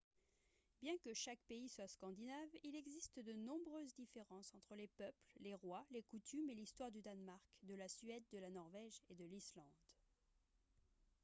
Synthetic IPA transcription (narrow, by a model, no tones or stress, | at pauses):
bjɛ̃kəʃakpeiswaskɑ̃d̪inavilɛɡzist̪d̪ənɔ̃bʁøzd̪ifeʁɑ̃sɑ̃t̪χəlepœplleʁwalekut̪ʰymelist̪waʁd̪yd̪anmaʁkd̪əlasɥɛd̪̚ːəlanɔʁvɛʒed̪əlislɑ̃d̪